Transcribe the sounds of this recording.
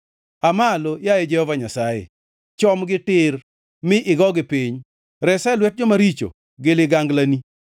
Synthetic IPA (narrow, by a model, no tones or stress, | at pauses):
amalojajed͡ʒɛhɔvaɲasajḛ | t͡ʃɔmɡɪtɪr | mɪʔɪɡɔɡɪpiɲ | ɾɛsɛlwɛt̚d͡ʒɔmaɾit͡ʃo̰ | ɡɪlɪɡaŋɡlani